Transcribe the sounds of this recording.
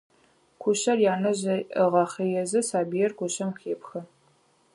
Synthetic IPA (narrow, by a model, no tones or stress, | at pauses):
kʷʰʊɕɐrjaːnɐʑɐɨʁɐχejɛzɨsaːbijɛrkʷʰʊɕɐmxeːpxɐ